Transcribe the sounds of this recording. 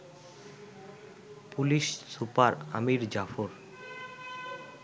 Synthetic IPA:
puliʃsupaɾa̰miɾd͡ʑafoɾ

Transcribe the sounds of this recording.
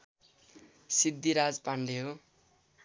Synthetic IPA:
sid̪ːiɾad͡zpaɳɖeɦo

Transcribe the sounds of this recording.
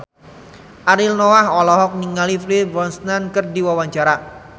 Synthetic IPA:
ʔaɾilnɔwahɔlɔɦɔk̚niŋaliflibɔnsnankɨrdiwawaɲt͡ʃaɾa

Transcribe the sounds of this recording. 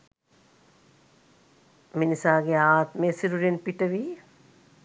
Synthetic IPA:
minisaːɡeaːt̪meːsiɾuɾenpiʈəʋiː

